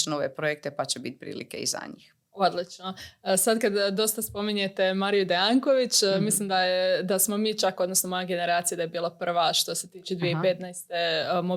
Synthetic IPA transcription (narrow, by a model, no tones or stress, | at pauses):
noʋepɾojek̚t̪epat͡ɕebit̪̚pɾḭːlḭkḛḭza̰ɲiːx | o̞d̪lit͡ʃno̞sad̪kad̪d̪o̞st̪aspo̞miɲe̞t̪e̞maɾijud̪eaŋko̞ʋit͡ʃmislˠimd̪ajed̪asmo̞miːt͡ʃakod̪no̞snomojaɡe̞ne̞ɾaːt̪sijad̪ajebiːlˠapr̩ʋaʃt̪o̞se̞t̪iːt͡ʃed̪ʋijeipe̞t̪najst̪e̞mo